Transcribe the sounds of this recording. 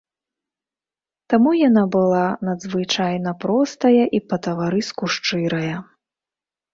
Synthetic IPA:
t̪amujanabɨlˠanɐd̪zvɨt͡ʂajnɐpɾɔst̪ɐjɐʔipɐt̪ɐvaɾɨskuʂt͡ʂɨɾɐjɐ

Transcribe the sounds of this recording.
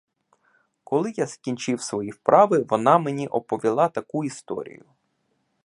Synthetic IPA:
kɔlˠɪjaskʲinʲt͡ʃɪwsʋɔjiwpɾʔɑʋɪʋɔnɑmenʲiʔɔpɔʋʲilˠɑt̪ɐkuist̪ɔ̰ɾʲḭjʊ

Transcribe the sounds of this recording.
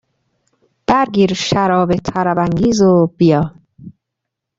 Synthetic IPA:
d̪̥æɾɡiːɾʃæɾɒːbet̪ʰæɾæbæŋɟiːzob̥ijɒː

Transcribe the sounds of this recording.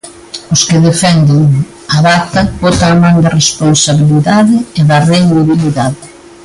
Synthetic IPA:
ʊskɪðefɛnd̪eŋ | aβat̪ɐbɔt̪aːmãŋd̪ɐresponsaβiliðaðɪeðɐrend̪iβiliðaðɪ

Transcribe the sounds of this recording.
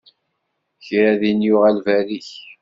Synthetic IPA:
çɾæðinjʊʁælvæɾiç

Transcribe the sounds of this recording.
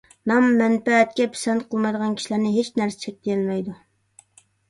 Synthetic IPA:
nɑmːɛnpɛɛt̪̚kʲɛpʰɪ̥sɛnt̪qʰəlˠmɑjd̪əʁɑnkʲi̥ʃilæɾnɪɦet͡ʃnæɾsɪ̥t͡ʃʰɛk̚ʲd̪ijɪlmɛjd̪u

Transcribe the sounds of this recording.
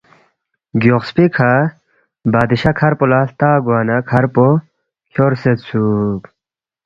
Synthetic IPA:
ɡjoqspikʰa | baːd̪iɕɐkʰɐɾpolaːst̪aːɡwaːnɐkʰɐɾpo | kʰoɾset̪sub

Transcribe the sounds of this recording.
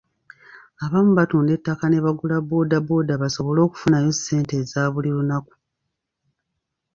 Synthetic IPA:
aβaːmuβatuːnde̞tːakane̞βaɡulabo̞ːdabo̞ːdaβaso̞βo̞lo̞ːku̥funajo̞se̞ːnte̞zaːβulilunaku̥

